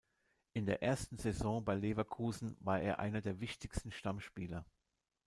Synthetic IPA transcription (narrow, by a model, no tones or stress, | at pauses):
ʔɪndeːɐʔeːɐstn̩zɛzɔ̃ːbaɪlevɐkʰuːzn̩vaːɐʔeːɐʔa̰ɪnɐdeːɐvɪçtɪçstn̩ʃtamʃpiːlɐ